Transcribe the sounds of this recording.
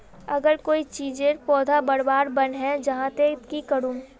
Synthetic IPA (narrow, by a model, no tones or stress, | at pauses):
ɐɡəɾkoːit͡ʃiːd͡ʒẽɾpɔːd̪ʱabɐɽbaːɾbɐnɦɛ̃d͡ʒɐɦãt̪eɪt̪kikɐɾũː